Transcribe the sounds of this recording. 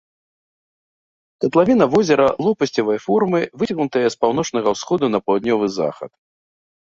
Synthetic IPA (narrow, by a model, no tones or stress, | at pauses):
k̪ɐt̪lˠavʲin̪ɐvɔzʲɛɾɐlˠɔpɐsʲt͡sʲɐvɐjfɔrmɨvɨt͡sʲɐɣnut̪ɐjɐspawnɔt͡ʂnɐɣɐwsxɔd̪unɐpɐlwd̪nʲɔvɨza̰xɐ̰t̪